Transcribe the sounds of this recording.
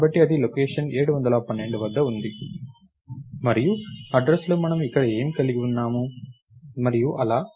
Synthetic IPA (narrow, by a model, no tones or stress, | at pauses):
bɐʈːiɐd̪ilokeːʂɐne̞ːɽuʋɐnd̪ɐlɐpɐnːe̞ɳɖuʋɐd̪ːɐund̪i | mɐɾijuɐɖɾɐsloːmɐnɐmikːɐɽɐe̞ːmikɐliɡiunːaːmu | mɐɾijuʔɐlaː